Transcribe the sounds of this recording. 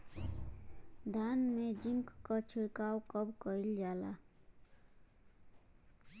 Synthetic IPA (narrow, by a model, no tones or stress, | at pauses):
d̪ʱanmed͡ʒiŋkːət͡ʃʰiɽkawkʌbkəild͡ʒala̰